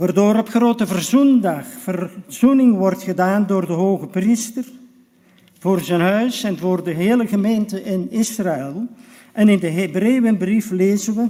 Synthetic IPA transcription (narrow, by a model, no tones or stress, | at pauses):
ʋaːrdoːɾɔpχroːtəvərzundɑχfərz̥unɪŋʋɔrtχədaːndoːrdəɦoːɣəpristər | v̥oːrzənɦœɥsɛnvoːrdəɦeːləɣəmeːntəʔɪnɪsraɛlˠ | ʔɛnɪndəɦebreːʋənbrifleːzənʋə